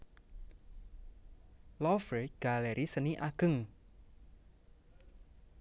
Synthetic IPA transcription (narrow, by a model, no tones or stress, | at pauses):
lɔfɾeɡ̥a̤lɛɾʔisəniʔaɡ̥ə̤ŋ